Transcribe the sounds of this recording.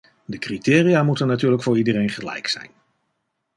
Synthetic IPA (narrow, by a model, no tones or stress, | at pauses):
dəkritɪːrijaːmutənːatyːɹləkfʊːɹidərejnχəlɛ̰jksɛ̰jn